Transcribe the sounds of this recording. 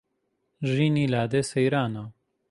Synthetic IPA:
ʒiːniːlaːd̪esejɾaːna

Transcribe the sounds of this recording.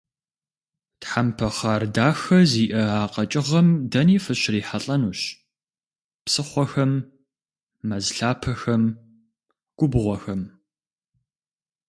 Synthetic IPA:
tħampʰɐχaːrdaːxɐziːʔɐaːqʼɐt͡ʃʼɪʁɐmdɐniːfɨɕriːħaɬʼɐnuːɕ | psɨχʷɔxɐm | ɐzɬaːpʰɐxɐm | ɡ̥ʷʊbʁʷɔxɐm

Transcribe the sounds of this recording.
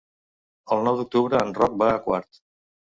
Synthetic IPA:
əlˠnɔwd̪uk̚t̪uβɾəːnrɔk̚bakwa̰ɾt̪

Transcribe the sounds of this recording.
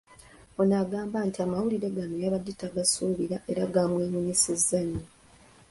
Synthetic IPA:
o̞naɡaːmbaːntiamawuliɾe̞ɡanojaβadːitaɡasuːβiɾaʔeɾaɡamwe̞ːmuɲisizːaɲo

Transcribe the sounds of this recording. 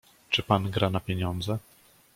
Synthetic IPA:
t͡ʂɘpanɡɾanapʲjeɲɔnd̪zɛ

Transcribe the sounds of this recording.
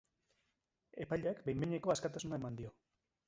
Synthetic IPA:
e̞pajʎakbejmbeɲeko̞askat̪asunaemand̪io̞

